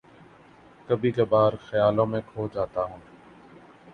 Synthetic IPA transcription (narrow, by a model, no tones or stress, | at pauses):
kəbʱiːkaːbaːɾxəjaːlõːmẽːkʰoːd͡ʒaːt̪aːɦũː